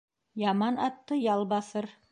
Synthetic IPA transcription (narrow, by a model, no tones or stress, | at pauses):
jɑmɑnɑt̪ːɤjɑlˠβɑθɤɾ